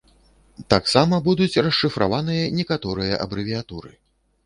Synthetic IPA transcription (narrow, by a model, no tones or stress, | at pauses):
t̪aksamɐbud̪ut͡sʲrɐʂːɨfɾʔa̰vanɨjɐnʲɛkat̪ɔɾɨjɐʔɐ̰bɾɨvʲiat̪uɾɨ̰